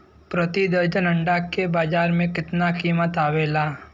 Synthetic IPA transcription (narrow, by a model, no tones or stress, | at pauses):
pɾət̪id̪əɾd͡ʒənə̃ɳɖaːkːebaːd͡ʒaːɾmẽkɪt̪nakiːmət̪aːʋeːlaː